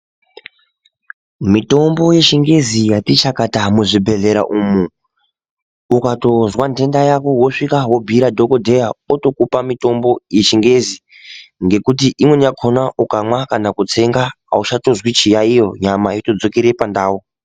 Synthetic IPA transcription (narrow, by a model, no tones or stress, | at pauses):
mito̞mbo̞je̞ʃiŋɡe̞zijatit͡ʃakatamuʐibʱe̞ɮe̞ɾa̰ʔumu | ukato̞zwande̞ndajakowoʂikaɦo̞bʱiɾadʱo̞kodʱe̞jaoto̞kupamito̞mbo̞je̞ʃiŋɡe̞zi | ŋɡe̞kutiʔimwe̞ɲakʰonaʔukamwakanakut͡se̞ŋɡa | a̰uʃato̞zwit͡ʃijaijo̞ɲamaito̞d͡zo̞keɾe̞pandaːwu